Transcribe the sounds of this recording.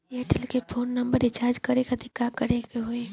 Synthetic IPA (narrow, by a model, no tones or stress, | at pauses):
eːʈəlkepʰoːnːɐ̃mbəɾɪt͡ʃaːɾd͡ʒkɐɾekad̪ɪkːakɐɾekeɦoe